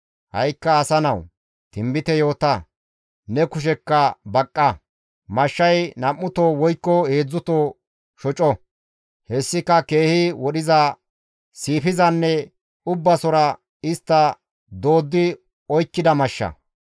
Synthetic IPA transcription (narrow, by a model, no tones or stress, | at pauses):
hɐ̰jkːɐːsɐnɐw | t̪ɪmbɪt̪ɛjo̞ːt̪ɐ | nɛkʊʃ̬ɛkːɐbɐkʼːɐ | mɐʃːɐjnɐmːʊt̪oːwɔjkːɔheːd͡zːʊt̪oː | ʃɔt͡ʃʼɔ | hɛsːɪkɐkeːhɪwɔɗɪzɐ | siːpɪzɐnːɛ | ʊbːɐsɔɾɐ | ɪst̪ːɐ | d̪o̞ːd̪ːɪ | ɔjkːɪd̪ɐmɐʃːɐ̰